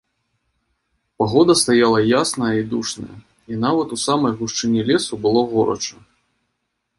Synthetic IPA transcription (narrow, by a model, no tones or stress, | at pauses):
paɣɔd̪ɐst̪ajalˠɐjasnɐjɐid̪uʂnɐ̰jɐ̰ | inavɐt̪usamɐjɣuʂt͡ʂɨnʲilʲɛsubɨlˠɔɣɔɾɐ̰t͡ʂɐ